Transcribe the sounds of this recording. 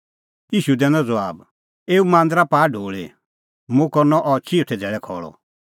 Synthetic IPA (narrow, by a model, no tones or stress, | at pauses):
iːʃud̪ɛ̃ːnɔ̃d͡zɔaːb | eːumãːnd̪ɾapaːɖʱoːɭḛ | mũkɔɾnɔʔɔt͡ʃʰiot̪ʰɛd͡zɛːɭɛkʰɔːɭɔ̰